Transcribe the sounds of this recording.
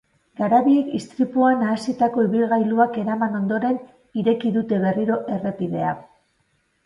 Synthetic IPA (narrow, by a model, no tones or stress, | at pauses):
ɡaɾaβiekist̪ɾipuanaːsit̪ako̞iβilɣajluake̞ɾamano̞nd̪o̞ɾe̞n | iɾe̞kiðut̪e̞βe̞riɾo̞ʔe̞re̞piðe̞a